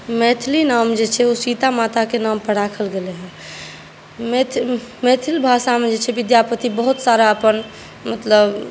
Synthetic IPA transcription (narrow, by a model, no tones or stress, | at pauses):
met̪ʰlinamd͡ʒet͡ʃʰɛosit̪amat̪akenampəɽ̤akʰəlɡeleɦɛ̃ | met̪ʰmet̪ʰilbʱasamed͡ʒet͡ʃʰɛʋid̪japət̪ibəɦut̪saɾaəpən | mət̪ləb